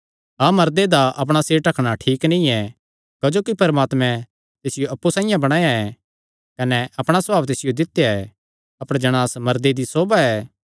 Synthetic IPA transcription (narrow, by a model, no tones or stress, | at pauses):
amɐɾd̪ed̪aʔɐp̬ɽ̃aseːɾʈɐkʰɽ̃aʈʰiːknĩɛ | kɐd͡ʒoːkipɐɾəmaːt̪mɛ̃ | t̪eːsɪjoɐpːusãːɪ̃jãbɐɽ̃ãːjaɛ | kɐnɛʔɐpɽ̃asɐbaːʋt̪eːsɪjod̪ɪt̪ːjaɛ | ɐpɽ̃ed͡ʒɐɽ̃aːsmɐɾd̪ed̪isoːbaɛː